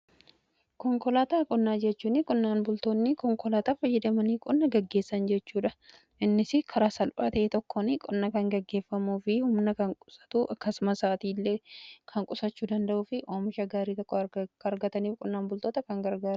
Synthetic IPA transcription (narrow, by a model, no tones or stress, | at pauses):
kɔŋkɔlaːt̪aːkʼʊnːaːd͡ʒɛt͡ʃːuːnɪkʼʊnːaːnbʊlt̪oːnːɪkɔŋkɔlaːt̪aːfɐjːɪd̪ɐmɐniːkʼɔnːɐɡɐɡːeːsːɐnd͡ʒɛt͡ʃːuːᶑɐ | ʔɪnːɪsɪkʰɐɾaːsɐlpʼa̰ːt̪ɐʔeːt̪ɔkːɔnɪkʼɔnːɐkɐŋɡɐɡːe̞ːfːɐmuːfɪhʊmnɐkɐŋkʼʊsɐ̥t̪uʔɐkːɐsʊmɐsaːt̪iːlːeːkʰɐŋkʼʊsɐt͡ʃːuːd̪ɐnd̪ɐʔuːfɪʔoːmɪʃɐɡaːɾiːt̪ɔkːɔɐɾɡɐt̪ɐniːfkʼʊnːaːnbʊlt̪oːt̪ɐkɐŋɡɐɾɡaːɾ